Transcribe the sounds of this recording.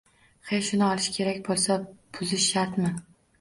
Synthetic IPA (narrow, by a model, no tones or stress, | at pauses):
χejʃʊnɪɒlˠɪʃkʲʰe̞ɾakʲbolˠsabʊzɪʃːaɾt̪mɪ